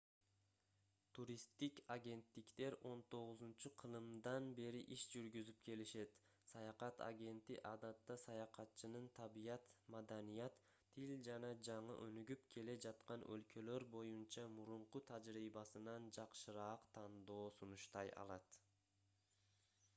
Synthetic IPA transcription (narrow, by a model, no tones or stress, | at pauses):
t̪ʰuɾist̪ikaɡʲe̞nt̪ːikt̪e̞ɾo̞nt̪ʰo̞ʁuzunt͡ʃuqʰɯlˠɯmd̪ɑnbe̞ɾiʔiʃd͡ʒyɾɡyzyp̚kʰe̞liʃe̞t̪ | sɑjɑqɑt̪a̰ɡʲe̞nt̪iʔɑd̪ɑt̪ːɑsɑjɑqɑt̪t͡ʃɯnɯnt̪ʰɑbijɑt̪mad̪anijɑt̪ʰː | ild͡ʒɑnɑd͡ʒɑɴɯ̰ʔønyɡypkʰe̞le̞d͡ʒɑt̪qɑnʔø̞̰lkø̞lø̞ɾbo̞junt͡ʃɑmuɾuɴqut̪ʰɑd͡ʒɾiːbɑsɯnɑnd͡ʒɑqʃɯɾɑːqt̪ʰɑnd̪o̞ːsunuʃt̪ɑjɑ̰lˠɑt̪